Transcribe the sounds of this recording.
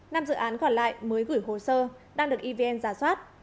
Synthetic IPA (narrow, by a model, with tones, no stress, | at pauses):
naː˧mzɨ̰˧˨ʔaː˨˦nkɔ˧˩nla̰ː˧˨jməː˨˦jɣɨ˧˩jɦo˧˩səː˧ | ɗaː˧ŋɗɨ˨˩ək̚ʔi˧ve˧ʔɛ˧nzaː˧˩swaː˦˥t̚